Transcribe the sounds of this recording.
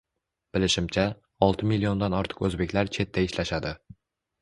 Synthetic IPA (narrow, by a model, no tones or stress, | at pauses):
b̥ɪlɪʃɪmt͡ʃʰa | ɒlˠt̪ʰɪmilːio̞nd̪anɒɾt̪ʰɨ̥qɵzbe̞kʲlaɾt͡ʃʰe̞t̪ʰːaɪʃlaʃad̪ɪ